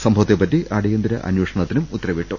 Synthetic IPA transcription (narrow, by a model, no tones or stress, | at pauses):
sɐmbʱɐʋɐt̪ːepːɐtːiʔɐɽijɐnd̪iɾɐʔɐ̰njweːʂɐɳɐt̪ːinumut̪ːrɐʋiʈːu